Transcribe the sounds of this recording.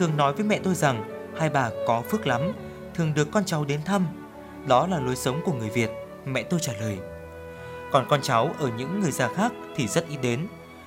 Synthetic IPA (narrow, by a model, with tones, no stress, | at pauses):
t̪ʰɨ˨˩əŋnɔ˨˦jvəː˨˦jmɛ̰˧˨t̪o˧jza˨˩ŋ | haː˧jɓaː˨˩kɔ˨˦fɨ˦˥ək̚la˨˦m | t̪ʰɨ˨˩əŋɗɨ˨˩əkːɔ˧nt͡ɕa˨˦wɗe˨˦nt̪ʰa˧m | ɗɔ˨˦laː˨˩lo˨˦jsə˨˦wŋ͡mku˧˩əŋɨ˨˩əjvi˨˩ət̚ | mɛ̰˧˨t̪o˧jt͡ɕaː˧˩ləː˨˩j | kɔ˨˩nkɔ˧nt͡ɕa˨˦wʔəː˧˩ɲɨ̰˧˥ŋːɨ˨˩əjzaː˧˩xaː˦˥k̚t̪ʰi˨˩zə˦˥t̚ʔi˨˧˦ɗe˨˦n